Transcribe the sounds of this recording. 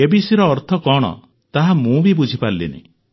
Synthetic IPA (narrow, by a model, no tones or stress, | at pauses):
ebisiɾɔːɾt̪ʰɔkɔɽ̃ɔ̰ | t̪aɦamũbibud͡ʒʱipaɾlḭnḭ